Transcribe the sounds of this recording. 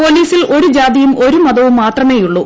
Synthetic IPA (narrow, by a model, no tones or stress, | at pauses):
po̞ːliːsilo̞ɾud͡ʑaːd̪ijumʔo̞ɾumɐd̪ɐʋumːaːt̪rɐme̞ːjuɭːu